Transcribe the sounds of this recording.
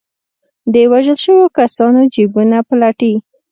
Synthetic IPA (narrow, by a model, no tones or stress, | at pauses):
d̪əwaʒəlʃəwokasɑnod͡ʒibunaplaʈi